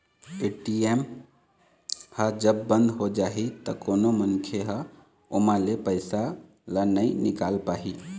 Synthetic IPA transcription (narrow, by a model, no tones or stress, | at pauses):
eːʈieːm | həd͡ʒəbːə̃nd̪ɦod͡ʒaːɦit̪əkoːnomənkʰeɦə | ʊmãlepəɪsa | lənəinɪkaːlpaːɦiː